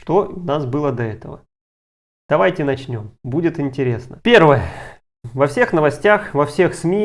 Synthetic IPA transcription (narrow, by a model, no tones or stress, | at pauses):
ʂt̪oʊnasbɨlˠəd̪ɐɛt̪əvə̰ | d̪̥ɐvajtʲɪnɐt͡ɕnʲo̞mbudʲɪt̪ɪnʲtʲɪɾʲe̞snəpʲe̞rvəjə | vɐfsʲe̞xnəvɐsʲtʲaxvɐfsʲe̞xsmʲi